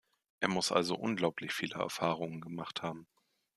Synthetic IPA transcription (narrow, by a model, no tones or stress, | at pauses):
ʔeːɐmʊsʔa̰lzo̰ʔʊnɡlaʊpʰlɪçfiːləɛ̰ɐfaːʁ̞ʊŋənɡəmaχthaːbm̩